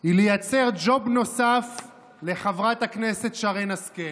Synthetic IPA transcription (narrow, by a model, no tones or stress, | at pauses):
ilejat͡se̞ʁd͡ʒo̞bno̞saf | le̞χavʁataknesetʃaʁejnaske